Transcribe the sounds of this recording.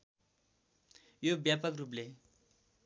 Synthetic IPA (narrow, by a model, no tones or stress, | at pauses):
jobjapʌkrup̬le